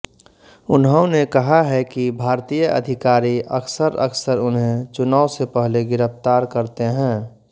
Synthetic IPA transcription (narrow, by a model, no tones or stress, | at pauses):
ʊnɦə̃nekɐɦaɦɛkibʱaːɾt̪ijəʔəd̪ʱɪkaːɾiʔəksəɾə̰ksəɾʊnɦẽt͡ʃʊnaːʊsepɛɦleɡɪɾəpt̪aːɾkəɾt̪eɦɛ̃ː